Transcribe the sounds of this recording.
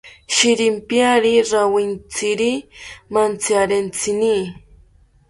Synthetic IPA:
ʃiɾɪmpjaɾiɾawint͡siɾimant͡sjaɾent͡sini

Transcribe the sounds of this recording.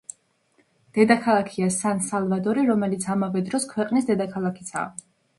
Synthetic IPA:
d̪̥ɛd̪akʰalˠakʰiasansalˠvad̪ɔɾiɾɔmɛlit̪sʰamavɛd̪ɾɔskʰwɛqʼnisd̪ɛd̪akʰalˠakʰi̥t̪sʰa̰

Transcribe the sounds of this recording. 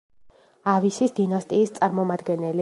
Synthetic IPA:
avisisd̪inast̪ʼiːst̪sʼaɾmɔmad̪ɡɛnɛli

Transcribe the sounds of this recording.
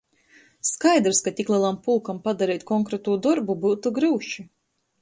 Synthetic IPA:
skajd̪ɾskat̪ʲiklˠiɛlˠampulˠkampad̪aɾɛːt̪ʲkɔŋkɾɛt̪uːd̪ɔɾbubuːt̪uɡɾɨːʃi

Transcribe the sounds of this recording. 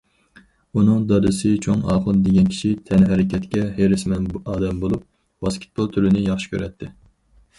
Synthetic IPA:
unɨŋd̪ɑd̪ɨsɨt͡ʃʰoŋɑ̰ːχəlˠd̪eɡʲɛnkʲʰi̥ʃit̪ʰɛnɦɛɾɪkʲɛt̪kʲɛɦeɾɪsmɛnɑːd̪ɛmbolˠup̚ | wɑskʲi̥t̪̚bolˠt̪ʰyɾɪnɪjɑχʃi̥kʲʰø̰ɾɛt̪ʰːɪ

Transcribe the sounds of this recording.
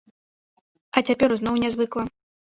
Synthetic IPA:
ɐt͡sʲapʲɛɾuznɔwnʲɛzvɨklˠɐ

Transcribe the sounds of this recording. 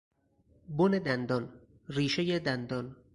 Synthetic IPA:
boned̪ænd̪ɒːn | ɾiːʃejed̪ænd̪ɒn

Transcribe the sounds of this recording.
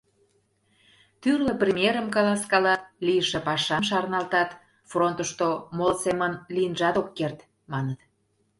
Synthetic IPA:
t̪yrlə̆prʲemʲieɾəmkɑlɑskɑlɑlijəʃĕpɑʃɑmʃɑrnɑlt̪ɑt̪ | front̪əʃt̪omolsemənliənʒɑt̪okːert̪ | mɑnət̪

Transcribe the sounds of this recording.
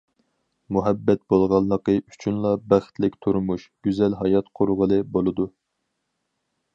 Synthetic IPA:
muɦɛbːɛt̪̚bolˠʁɑlˠːəqəy̥t͡ʃʰynlˠɑbæχt̪lɪkʲt̪ʰuɾmuʃɡ̥ʲyzɛlɦɑjɑt̪qʰʊɾʁəlˠɨbolˠɨd̪u

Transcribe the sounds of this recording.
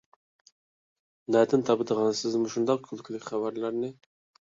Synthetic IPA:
nɑd̪ɪnt̪ʰɑpd̪əʁɑnsɪzmuʃund̪ɑq̚kʲʰylˠkʲʰlɪkʲχɑbaɾlaɾnɪ

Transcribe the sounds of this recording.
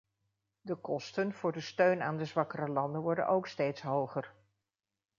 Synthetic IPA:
dəkɔstənv̥ʊːɹdəstøɥnaːndəzʋɑkərəlɑndənʋɔɹdə̰nowkstejtsɦowχər

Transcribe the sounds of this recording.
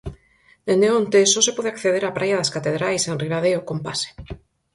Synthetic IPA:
eneont̪esosepoðeakθeðeɾapɾajaðaskat̪eðɾajsenriβaðeokompase̥

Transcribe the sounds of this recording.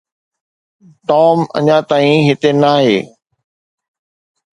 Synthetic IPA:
ʈɔːmɐ̰ɲãt̪aːĩɦɪt̪enaːɦeː

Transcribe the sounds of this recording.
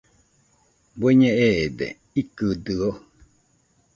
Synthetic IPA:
bweɲẽʔeed̪ḛ | ikɨd̪ɨo

